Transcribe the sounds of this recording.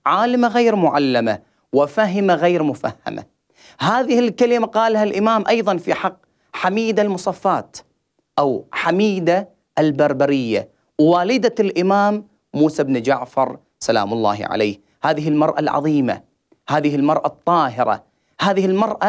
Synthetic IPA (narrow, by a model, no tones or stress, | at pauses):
ʕaːlɪmaɣeːɾmʊʕalːama | wɪfaɦɪmaɣeːɾmʊfahːa̰ma̰ | ɦaːðɪhɪlkalɪmaqɑːlhalʔɪmaːmʔɑjðˤɑnfiħɑqː | ħamiːd̪almʊsˤɑfːɑːt̪ | ʔawħamiːd̪a | ʔalbɑɾˤbaɾɪjːa̰ | wwaːlɪd̪alʔɪmaːmː | uːsabnd͡ʒaʕfɑɾˤ | sala̰ːmʊlˤːɑ̰ːhʕa̰la̰ːh | haːðɪɦɪlmɑɾˤʔa̰lʕɑ̰ðˤiːma̰ | haːðɪhɪlmɑɾˤʔɑt̪ˤːɑːɦɪɾˤɑ̰ | haːðɪhɪlmɑɾˤʔa